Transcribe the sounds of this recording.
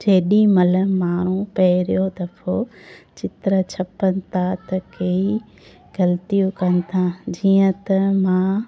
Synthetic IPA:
d͡ʑeɦɪɗĩmɐləmaːɾ̃ũpɐɦɪɾijod̪ɐfʰot͡ɕɪt̪ɾət͡ɕʰɐpːənɪ̆t̪ʰat̪ɐkeːi | ɡɐlt̪ijũkɐnɪ̆t̪ʰãd͡ʑiːə̃t̪ɐmã

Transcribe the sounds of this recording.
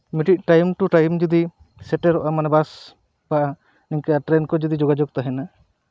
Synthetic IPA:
miʈic̪̚ˀʈajmʈuʈajmd͡ʒud̪i | sɛʈɛɾɔʔamanɛbas | paʔa | niŋkaaʈɾɛnkɔd͡ʒud̪id͡ʒɔɡad͡ʒɔɡ̚t̪aɦɛna

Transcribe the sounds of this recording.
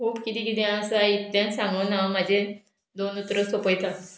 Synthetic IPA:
kuːpkit̪ikid̪iãsait̪d̪ẽsãmonamad͡ʑʱe | d̪onut̪ɾəsopəjt̪a

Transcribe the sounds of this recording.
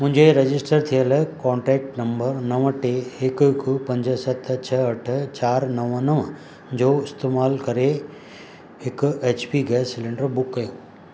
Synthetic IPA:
mʊ̃ɦɪ̃ɲd͡ʑeɾɐd͡ʑɪsʈəɾt̪ʰijəlkɔ̃ːɳʈɾɛːk̚ʈnɐ̃mbəɾnɐʋəʈeɦɪkkpɐ̃ɲd͡ʑəsɐt̪ʰt͡ɕʰɐɐʈʰt͡ɕaːɾnɐʋənəʋ | d͡ʑoːɪst̪eːmaːlkɐɾe | hɪkeːt͡ɕpiɡɛːsːɪlɪ̃ɳɖəɾbʊkːɐjoː

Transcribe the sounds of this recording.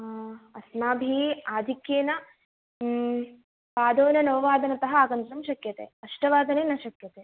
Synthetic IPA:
ɐsmaːbʱiːaːd̪ʱikjeːnɐ | paːd̪oːnɐnɐʋɐʋaːd̪ɐnɐt̪ɐɦɐaːɡɐnt̪ɾɐmʃɐkjɐt̪ḛːɐʂʈɐʋaːd̪ɐneːnɐʃɐkjɐt̪eː

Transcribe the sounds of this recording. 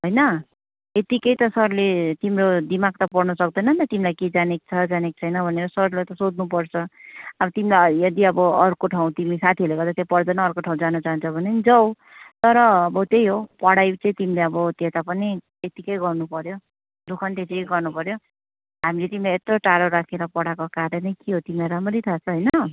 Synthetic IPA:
ɦojnʌ | et̪ikʌjt̪ʌsʌrlet̪imɾod̪imaɡ̚t̪ʌpʌrnʌsʌk̚d̪ʌjnʌnt̪ʌt̪imilajked͡zanek̚t͡sʰʌd͡zanek̚t͡sʰʌjnʌbʱʌneɾʌsʌɾlet̪ʌsod̪nupʌrt͡sʰʌʌbʌt̪imilajʌd̪iʌbʌʌrkoʈʰaw̃t̪imisat̪ʰiʌleɡʌrd̪at̪japʌrd̪ʌjnʌːrkoʈʰãw̃d͡zanʌt͡saɦunt͡sʰʌbʱʌnend͡zʌw | t̪ʌɾʌːbʌt̪ejɦopʌɽajt͡sʌĩt̪imileʌbʌt̪et̪apʌni | et̪ikʌjɡʌrnupʌɾjo | d̪ukʰʌnt̪et̪ikʌjɡʌrnupʌɾjo | ɦamilet̪imilaet̪roʈaɾoɾakʰeɾʌpʌɽakokaɾʌnʌjkeɦot̪imilaɾamʌɾijt̪ʰat͡sʰʌɦʌjnʌ

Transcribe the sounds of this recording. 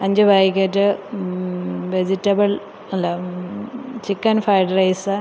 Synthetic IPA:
ɐɲd͡ʑɨbaːjikʲːɐtːɨ | ʋed͡ʑitːɐbɐɭ | ɐlːɐ | t͡ɕikːɐnfɐjɖɐrɐjsɨ

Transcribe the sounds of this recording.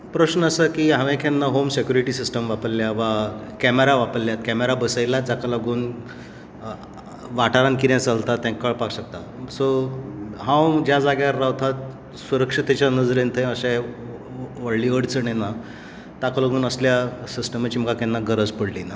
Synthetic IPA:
pɾəɕnəsəkiːɦãʋẽkʰɛnːaɦomsekʲjuɾiʈisisʈəmʋapəlːjaʋakæmeɾaʋapəlːjat̪kæmeɾabəsəjlad͡zakaləɡuːn | ʋaʈaɾãnkid̪jãt͡salt̪at̪ːɛ̃kəɭpakɕək̚t̪a | so | ɦãwd͡ʑjad͡zaɡjaːaʋt̪ʰat̪̚ | suɾəkʂit̪et͡ɕanəd͡zɾent̪ʰəj̃əɕẽ | ʋəɽliʋəɽt͡səɳena | t̪akaləɡuːnəsljasisʈəmat͡ɕiːməkakʰɛ̃nːaɡəɾəd͡zpəɽlina

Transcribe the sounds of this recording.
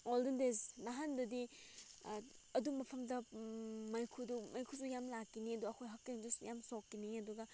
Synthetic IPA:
oldindesnaɦandɐdi | ɐdumɐpʰɐmdɐmɐjkʰudumɐjkʰusujamlakːiniɐduɐkʰojɦɐkːiŋzujamsokːiniɐduɡɐ

